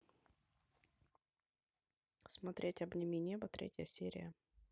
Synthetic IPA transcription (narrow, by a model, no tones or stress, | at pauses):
smɐt̪ɾʲetʲɐbnʲɪmʲinʲebət̪ɾʲḛtʲjəjəsʲeɾʲɪ̰jə